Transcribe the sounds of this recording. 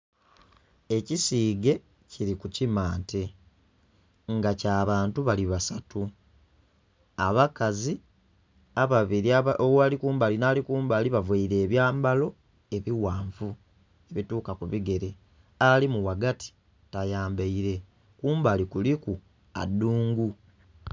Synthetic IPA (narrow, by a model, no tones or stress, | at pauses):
e̞cisiːɡe̞ | ciɾikucimaːntʰe̞ | ŋɡacaːβaːntuβaliβasatu | aβakazi | aβaβiaoalikuːmbalinaːlikuːmbaːliβavweiɾe̞ːβjaːmbalo̞ | e̞βiwaːɱvu | e̞βituːkakuβiɡe̞ɾe̞ | alimuwaɡatʰi̥ | tajaːmbeiɾe̞ | kuːmbalikuliku | a̰dːuːŋɡu